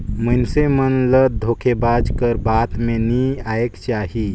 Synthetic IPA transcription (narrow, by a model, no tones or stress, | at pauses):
mənsemənləd̪ʱokʰebad͡ʒkəɾbat̪meniaekt͡ʃaɦi